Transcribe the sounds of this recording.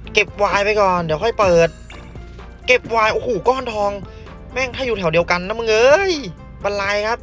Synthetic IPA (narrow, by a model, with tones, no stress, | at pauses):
ke˨˩p̚waː˧jpa˧jkɔː˨˩ndi˨˦kʰɔ˥˩jpɤː˨˩t̪̚ | ke˧˩p̚waː˧jʔoː˧˩hoː˧˩kɔː˧˥˩nt̪ʰɔː˧ŋ | mɛː˥˩ŋt̪ʰaː˥˩juː˧˩ɛ˨˩˦wdi˧əwka˧nːa˦˥mɯ˧ŋʔɤː˧j | bɔ˧nlaː˧jkʰa˦˥p̚